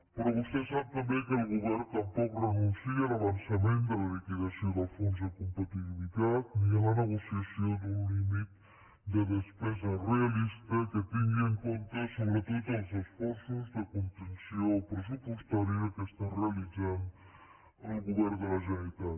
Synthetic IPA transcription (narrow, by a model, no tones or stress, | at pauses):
peɾɔβust̪esɛmpɾeβekelɣuβɛɾt̪ampɔkrenunsielaβansamẽnt̪d̪elaβit̪iɣasjod̪afons̬aekompat̪iβilit̪at̪̚ialaneɣosiasjod̪unlimit̪ | d̪enespɛz̬arealist̪aket̪iŋɡieŋkont̪esoβɾet̪ot̪alsesfɔɾsuzd̪ekont̪ensjoːpɾes̬upwust̪aɾiakest̪arealizan | elɣuβɛɾd̪elazenit̪at̪